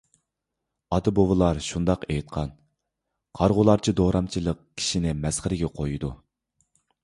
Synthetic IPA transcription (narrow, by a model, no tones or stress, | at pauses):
ɑd̪ɨbowɨlˠɑɾʃund̪ɑqejt̪̚qʰɑn | qʰɑɾʁʊlˠɑɾt͡ʃʰid̪oɾɑmt͡ʃʰilˠəq̚kʲʰi̥ʃinɪmɛsχɪɾɪɡʲɛqʰojud̪u